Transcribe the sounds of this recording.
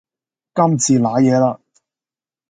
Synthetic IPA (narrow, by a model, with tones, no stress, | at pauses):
kɐ˥mt͡sʰiː˨˧laː˨˥jɛː˨˧laː˧